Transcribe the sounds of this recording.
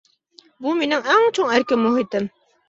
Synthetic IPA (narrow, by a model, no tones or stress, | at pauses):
buminɪŋæŋt͡ʃʰoŋæɾkʲɘmːuɦit̪ɘm